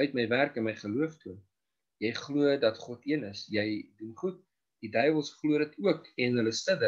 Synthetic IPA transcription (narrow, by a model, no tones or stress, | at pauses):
œɥtməjværkənməjχəluəftu | jɛjχluədɐtχɔtiənəsjɛjdunχut̚ | d̥idœjvəlˠsχluəɾdətuəkɛnɦələstədə